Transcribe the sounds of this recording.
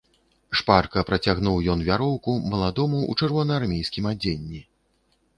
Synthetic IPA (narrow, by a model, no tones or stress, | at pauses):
ʂparkɐpɾɐt͡sʲaɣnuwjɔnvʲaɾɔwkumɐlˠad̪ɔmuṵt͡ʂɛrvɔnɐarmʲejskʲimad͡zʲenʲːi